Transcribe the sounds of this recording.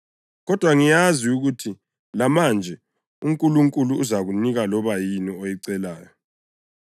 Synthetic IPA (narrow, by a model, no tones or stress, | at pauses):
ɣɔd̥ʱwaŋijaziuɣutʰi | lamand͡ʒʱɛ | uŋkʼuluŋkʼuluːzaɣuniɣalɔβajiniojiǀɛlaːjɔ